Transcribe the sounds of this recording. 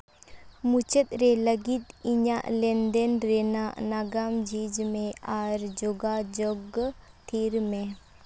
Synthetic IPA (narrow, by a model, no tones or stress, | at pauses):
mut͡ʃət̪̚ɾɛləɡit̪̚iɲaʔlɛnd̪ɛnɾɛnaʔnaɡamd͡ʒid͡ʒmɛ̃aɾd͡ʒɔɡad͡ʒɔɡ | t̪ʰiɾmɛ